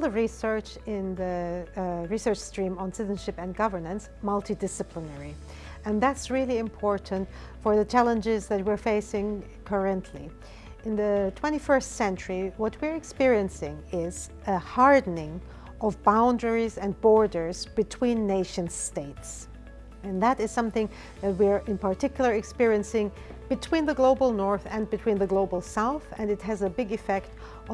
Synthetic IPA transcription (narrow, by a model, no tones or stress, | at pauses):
lˠðəɹisɜ˞t͡ʃ | ɪ̃nðɨ | ɹisɜ˞t͡ʃstɹ̥ĩmə̃nsɪzʃɨpɨ̃nɡʌvə˞nə̃ns | mʌlˠtʰidɪsɨpʰlənɛɹi | ɨ̃nðætsɹɪlˠiɨ̃mpʰɔɹʔn̩t | fə˞ðɨt͡ʃʰælˠə̃nd͡ʒɪzðɨt̚wiɹfeɪsɪ̃ŋ | kʰɜ˞ɨ̃ntʰli | ɪ̃nðɨtʰw̥ɛ̃ɾ̃ifɜ˞stsɛ̃nt͡ʃəɹiwʌt̚wɪɹɨkspɪɹiɨ̃nsɪ̃ŋɪz | ɨhɑɹdⁿn̩ɪ̃ŋ | ʔʌvbãʊ̃ndə˞izɨ̃nbɔɹdə˞zb̥ɨtʰw̥ĩnːeɪʃɨ̃n̥steɪts | ɨ̃nðəɾɨz̥sʌ̃mθɪ̃ŋ | ðɨt̚wiɹɨ̃npəɹtʰɪkjl̩ˠə˞ɨkspɪɹiɨ̃nsɪ̃ŋ | b̥ɨtʰw̥ĩnðɨɡloʊbl̩ˠnɔɹθɨ̃nbɨtʰw̥ĩnðɨɡloʊbl̩ˠsaʊθɨ̃nɨt̚ɦɨzəbɪɡɨfɛkt